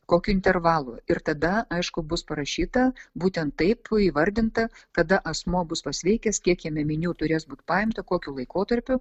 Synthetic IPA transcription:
koːkʲuːɪnʲt̪ʲɛrʋɑːlˠʊɪrt̪ɐd̪ɐɐɪʃkʊbʊspɐɾɐʃʲiːt̪ɐbuːt̪ʲɛnt̪tːɐɪpiːʋɐɾʲd̪ʲɪnt̪ɐkɐd̪ɐʔɐsmuɔbʊspɐsʲʋʲɛɪkʲɛskʲiɛkjiɛmʲɛmʲɪnʲuːt̪ʊɾʲeːsbuːt̪ʲpɑːjɪmt̪ɐkoːkʲʊːlˠɐɪkoːt̪ɐɾʲpʲʊ

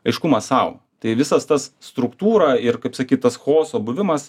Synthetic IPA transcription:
ɐɪʃkʊmɐssɐʊ | t̪ɐɪʋʲɪsɐst̪ɐsst̪ɾʊkt̪uːɾɐɪɾkɐɪpsɐkʲiːt̪t̪ɐsxoːsoːbʊʋʲɪmɐs

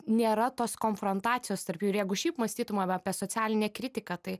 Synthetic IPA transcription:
nʲeːɾɐt̪oːskoːnfɾont̪ɑːt̪ʲɪjoːst̪ɐɾpjuːɪɾjɛɪɡʊʃʲɛɪpmɐsʲt̪ʲiːt̪ʊmɐːɐːpʲiɛsoːt͡ssʲæːlʲɪnʲɛkɾʲɪt̪ʲɪkɑt̪ɐɪ

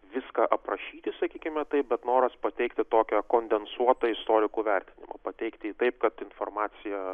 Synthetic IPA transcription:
ʋʲɪskɐʔɐpɾɐʃʲiːt̪ʲɪsɐkʲiːkʲɪmʲɛt̪ɐɪp̚bʲɛt̪noːɾɐspɐt̪ʲɛɪkt̪ʲɪt̪oːkʲɛkoːnʲd̪ʲɛnsuɔt̪ɐɪst̪oːɾʲɪkuːʋʲɛrʲt̪ʲɪnʲɪ̰mɐ̰pɐt̪ʲɛɪkt̪ʲɪːt̪ɐɪpkɐt̪ɪnfoːrmɑːt̪sʲɪjɛ

